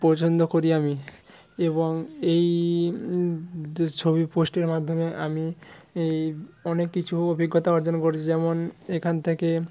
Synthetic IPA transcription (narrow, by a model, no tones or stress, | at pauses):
pɔt͡ɕʰond̪okoɾiami | eboŋej | t͡ɕʰobiposʈeɾmad̪ʱːomeʔa̰mi | eɔnekːit͡ɕʰuobʱiɡːot̪aɔɾd͡ʑonkoɾt͡ɕʰid͡ʑɛmonekʰant̪ʰeke